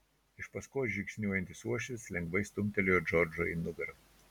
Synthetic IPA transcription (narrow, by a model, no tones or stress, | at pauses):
ɪʃpɐskoːʒʲɪksʲnʲuɔjɛnʲt̪ʲɪsuɔʃʲt̪ʲɪslʲɛŋɡʋɐɪst̪ʊmʲt̪ʲɛlʲejɔd͡ʒɔɾd͡ʒoḭnʊɡɐɾ